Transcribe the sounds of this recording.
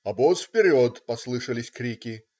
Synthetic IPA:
ɐbɔsfʲpʲɪɾʲɔt̪pɐslˠɨʂəlʲɪsʲkɾʲikʲɪ

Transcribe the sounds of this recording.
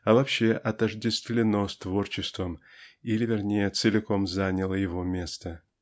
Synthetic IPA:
ɐvɐpɕːeʔɐt̪əʐdʲɪst̪vʲlʲɪno̞st̪vo̞rt͡ɕɪst̪vəm | ilʲɪvʲɪrnʲejət̪sɨlʲɪko̞mzanʲɪlˠəjɪvo̞mʲe̞st̪ə

